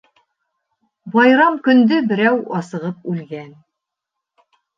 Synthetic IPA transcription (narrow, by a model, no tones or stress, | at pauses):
bɑjɾɑmkɵ̆nd̪ɵbɘ̆ɾæwɑsɤ̆ʁɤpʉlɡæn